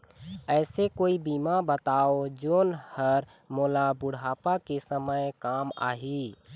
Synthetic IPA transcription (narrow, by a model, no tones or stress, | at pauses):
ɛːsekoːibiːmabət̪aːod͡ʒoːnhəɾ | moːlabʊɽ̤ʱaːpakesəməjkaːma̰ːɦiː